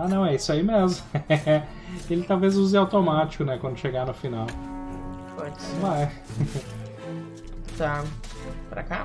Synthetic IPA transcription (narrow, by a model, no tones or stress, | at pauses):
anɐ̃w̃ɛisʊaimezmʊ | elɪt̪awvezuzɪawt̪omat͡ʃɪ̥kʊnɛkwɐ̃d̪ʊʃeɡanʊfinaw | posɛ | t̪a | pɾa̰ka